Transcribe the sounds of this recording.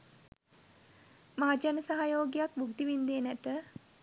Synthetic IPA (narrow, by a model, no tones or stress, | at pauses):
maɦad͡ʒanəsaɦajoːɡijak̚buɡd̪iʋind̪eːnæt̪ə